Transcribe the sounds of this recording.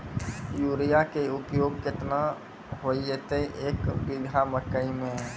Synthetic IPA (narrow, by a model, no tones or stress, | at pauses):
juːɾijakeʊpjoːɡ̚kɪt̪na | ɦoiet̪eiʔeːkbɪɡʱaməkəimẽ